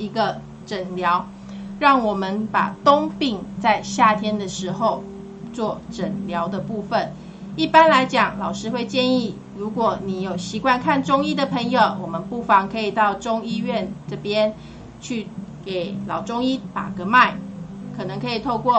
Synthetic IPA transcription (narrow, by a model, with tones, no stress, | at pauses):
i˧˥ɡə˧ | ʈ͡ʂə˨˩nljɑ˧˦ʊ | ɻɑ˥˩ŋwɔ˨˩mə˦npa̰˨˩t̪o˥ŋpi˥˧ŋt͡sa˥˧ɪɕja˥˩t̪ʰjɛ˥nd̪ə˨ʂɻ̩˧˥xo˥˧ʊ | t͡swɔ˥˩ʈ͡ʂə˨˩nljɑ˧˦˥ʊd̪ə˨pu˥˩fə˨˩n | i˥˩pa˥˦nla˧˥ɪt͡ɕjɑ˨˩ŋlɑ˨˩ʊʂɻ̩˥xwe˥˧ɪt͡ɕjɛ˥˧ni˥˩ | ɻu˧˥kwɔ˨˩ni˨˥jo˨˩ʊɕi˧˥kwa˥˧nkʰa˥˧nʈ͡ʂʊ˥ŋi˥d̪ə˨pʰə˧˥ŋjo˨˩ʊwɔ˨˩mə˨˦npu˥˩fɑ˧˥ŋkʰɤ˧˥i˨˩t̪ɑ˥˩ʊʈ͡ʂʊ˥ŋi˥ɥɛ˥˨nʈ͡ʂɤ˥˩pjɛ˥˦n | t͡ɕʰy˥˩ke˨˩ɪlɑ˨˩ʊʈ͡ʂʊ˦ŋi˦t̪a̰˨˩ɡə˦ma˥˩ɪkʰɤ˨˩nɤ˧˦ŋkʰɤ˧˥i˨˩t̪ʰo˥˧ʊkwɔ˥˩